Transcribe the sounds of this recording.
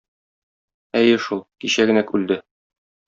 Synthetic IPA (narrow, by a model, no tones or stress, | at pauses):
æjɘʃulˠkiɕæɡɘ̆nækʉld̪ɘ